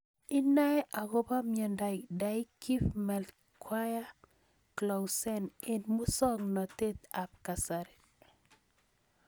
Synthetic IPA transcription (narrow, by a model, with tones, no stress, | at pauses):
ɪ˦na˦ɛ˦ʔa˨ɡo˦ba˦mjɛ˨nda˨ɪ˨da˦i˦ki˦fmɛ˨l | kʰwa˦ja˦ | kla˨wsɛ˦ne˨nmu˦sɔ˦ŋnɔ˨t̪e˦t̪a˨p̚ka˨saɾɛ